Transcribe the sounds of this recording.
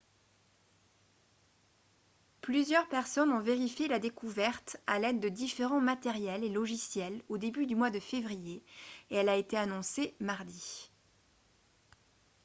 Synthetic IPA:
plyzjœʁpɛʁsɔnɔ̃veʁifjelad̪ekuvɛʁt̪alɛd̪ːəd̪ifeʁɑ̃mat̪ɛʁjɛlelɔʒisjɛlod̪ebyd̪ymwad̪əfevʁijeeɛlaet̪eanɔ̃semaʁd̪i

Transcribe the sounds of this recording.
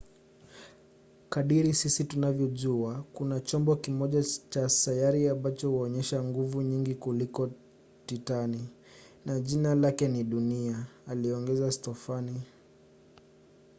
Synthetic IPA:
kaɗiɾisisitunavjɔʄuakunat͡ʃɔmbɔkimɔʄat͡ʃasajaɾiambat͡ʃɔhuɔɲɛʃaŋɡuvuɲiŋɡikulikɔ | titani | naʄinalakɛniɗuniaːliɔŋɡɛzastɔfani

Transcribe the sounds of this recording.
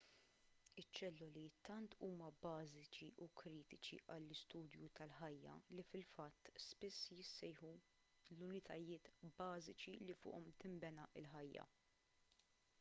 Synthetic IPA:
ɪt͡ʃːɛlːʊlit̪ɐnt̪ʰuːmɐbɐːzɪt͡ʃiʔukɾiːt̪ɪt͡ʃiʔɐlːɪst̪uːd̪jut̪ɐlħɐjːɐ̰lifɪlfɐt̪ːspɪsːjɪsːɛjħu | lʊnɪt̪ʰɐjɪːt̪bɐːzɪt͡ʃilifʊ̰ːʔɔmt̪ɪmbɛnɐʔɪlħɐjːɐ̰

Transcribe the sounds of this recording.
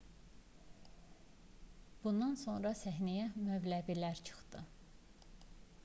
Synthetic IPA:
b̥und̪ɑnso̞nɾɑsæɦnæjæmøblæbilæɾt͡ʃʰɯ̥χd̪ɯ

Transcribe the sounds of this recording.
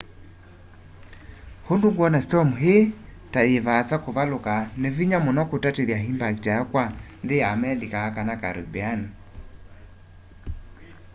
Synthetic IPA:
honduŋɡwɔnastɔmuɦe | tajevat͡sakoβalokaneviɲamɔnɔkotateðjaɦimbaktajakwanðeamɛlikaakanaka̰ɾo̰bɛani

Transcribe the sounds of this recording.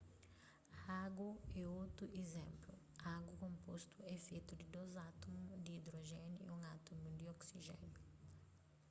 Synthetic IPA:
aɡuɛot̪ɾuʔezɛ̃mplu | aɡukõmpost̪uɛfet̪ud̪ɪd̪ozat̪omud̪iid̪ɾoʒɛniḭũŋat̪omud̪ioksiʒɛ̰nu

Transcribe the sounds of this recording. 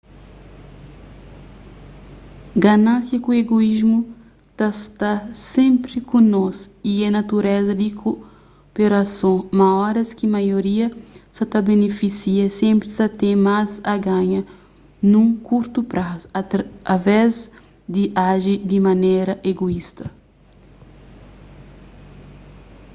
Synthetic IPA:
ɡanãsjɐkueɡoizmu | t̪ast̪asẽmpɾikũnɔsiɛnat̪uɾɛzɐd̪ikʰo | peɾasõmaɔɾɐskimajoɾiɐsɐt̪abenefisiɐsẽmpɾit̪ɐt̪ẽmazɐɡãɲɐ | nũkuɾt̪upɾasavɛz | d̪iʔaʒid̪imaneɾɐʔeɡoist̪ɐ

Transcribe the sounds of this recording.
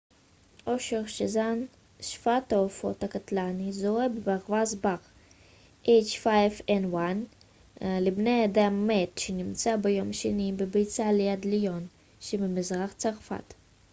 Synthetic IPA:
ʔoʃeʁʃezan | ʃfat̪aofot̪akat̪lanizoebebaʁvazbaʁ | ʔejt͡ʃfajfenwan | lebnejad̪amːet̪ʃenimt͡sabejomʃenibebejt͡salejad̪lijon | ʃemimizʁaχt͡saʁfa̰t̪

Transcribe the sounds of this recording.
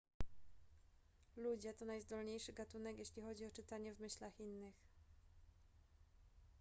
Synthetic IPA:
lud͡ʑɛt̪ɔnajzd̪ɔlɲejʂɘɡat̪unɛkjeɕlʲixɔd͡ʑiɔt͡ʂɘt̪aɲɛvmɘɕlaxinːɘx

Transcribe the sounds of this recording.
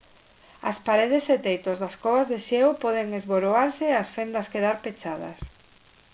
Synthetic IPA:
ɐ̰spaɾeð̞eset̪ejt̪ozðɐskɔβazðeʃeopɔðeŋezβoɾoaɾseasfend̪ɐskeðaɾpet͡ʃaðɐ̰s

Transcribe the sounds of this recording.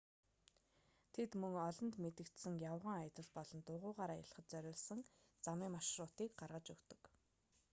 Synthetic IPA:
t̪ʰet̪mɵŋɔɮɞ̆nt̪met̪ɘ̆kt̪sɘ̆ŋjawʁə̆ŋaj̆t̪ə̆ɮpɔɮɞ̆nt̪ʊːʁʊːʁaːɾaːja̰ɮχə̆t̪̚t͡sœɾʲʊːɮsə̆ŋ | t͡samiːmaʃrʊːt̪iːk̚ɢarʁə̆t͡ɕɵkt̪ɵ̥̆k

